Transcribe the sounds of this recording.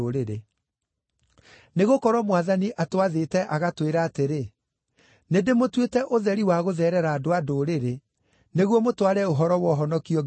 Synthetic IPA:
oɾeɾe | neɣokɔɾwɔmwaðaniʔatwaðetɛʔaɣatweɾaːteɾe | nedemotwetɛʔoðɛɾiwaɣoðɛɾɛɾaːdoadoːɾeɾe | neɣwɔmotwaɾɛoɦɔɾɔwɔɦɔnɔkiɔ

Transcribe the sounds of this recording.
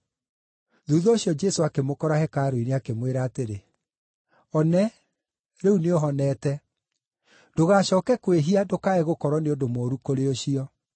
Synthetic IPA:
ðuðɔoɕiɔd͡ʒɛsoakemokɔɾahɛkaɾoineakemweɾaːteɾe | ɔnɛ | ɾeuneoɦɔnɛːtɛ | d̥oɣaɕɔːkɛkweɦiadokaɛɣokɔɾɔneodomoːɾukoɾeoɕiɔ

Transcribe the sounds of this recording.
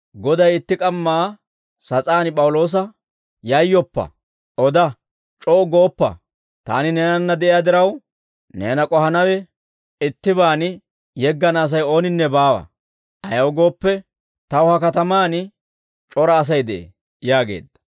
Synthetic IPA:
ɡɔd̪ɐjɪt̪ːɪkʼɐmːaː | sɐt͡sʼaːnpʼɐwʊlo̞ːs̬ɐ | jɐjːɔpːɐ̰ | ʔɔd̪ɐ | t͡ʃʼɔːɡoːpːɐ̰ | t̪a̰ːnɪneːnɐnːɐd̪ɛʔɪjaːd̪ɪɾɐw | nḛːnɐkʼɔhɐnɐwɛ | ɪt̪ːɪbaːn | jɛɡːɐnaːs̬ɐjo̞ːnɪnːɛbaːwɐ̰ | ʔɐjɐwɡo̞ːpːɛ | t̪ɐwhɐkɐt̪ɐmaːn | t͡ʃʼɔɾɐːs̬ɐjd̪ɛʔḛ | jaːɡe̞̰ːd̪ːɐ̥

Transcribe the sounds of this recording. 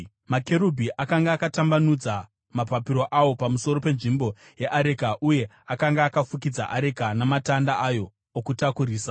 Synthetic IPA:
make̞ɾubʱiʔakaŋɡaːkatambanud͡za | mapapiɾo̞ʔawo̞pamuso̞ɾo̞pe̞nʐimbo̞ | jeʔaɾekaʔuje̞ | akaŋɡaːkafukid͡za̰ʔaɾe̞kanamatandaʔajo̞ː | kutakuɾiːsa

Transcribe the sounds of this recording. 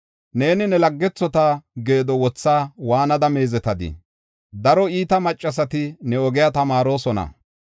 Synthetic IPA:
ne̞ːnɪnɛlɐɡːɛt͡sːɔt̪aɡe̞ːd̪ɔwɔt͡sːaːwaːnɐd̪ɐme̞ːzɛt̪ɐd̪ɪ̰ | d̪ɐɾɔiːt̪ɐmɐt͡ʃʼːɐs̬ɐt̪ɪnɛɔɡɪjat̪ɐmaːɾo̞ːsɔnɐ̰

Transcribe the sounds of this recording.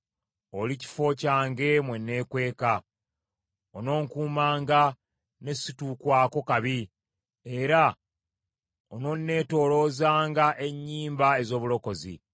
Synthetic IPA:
o̞lici̥fo̞caːŋɡe̞mwe̞nːe̞ːkwe̞ːka | ono̞ːŋkuːmaːŋɡa | ne̞situːkwaːko̞kaβi | e̞ɾa | ono̞nːe̞ːto̞ːlo̞ːzaːŋɡaʔe̞ɲːiːmbae̞zo̞ːβulo̞ko̞zḭ

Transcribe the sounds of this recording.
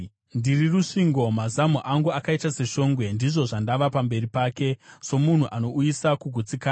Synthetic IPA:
ndiriruʂiŋɡo̞mazamuʔaŋɡuakaitase̞ʃo̞ːŋɡwe̞ndiʐo̞ʐandaʋapambe̞ɾipaːke̞so̞mun̤uʔano̞ujisakuɡʱut͡sikaː

